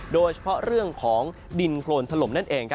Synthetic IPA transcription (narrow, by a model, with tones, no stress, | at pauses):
doː˧jt͡ɕʰḁ˧pʰɔ˦˥ɾɯ˥˩əŋkʰɔː˩˦ŋ | di˧nkʰloː˧nt̪ʰa˧lo˨˩˦mna˥˩nʔeː˧ŋkʰ